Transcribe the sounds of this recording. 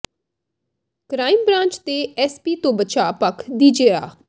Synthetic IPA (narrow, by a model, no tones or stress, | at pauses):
kɾaːimbɾãːnt͡ʃt̪eːɛːspiːt̪õːbət͡ʃaːpəkʰd̪iːd͡ʒeːa̰ː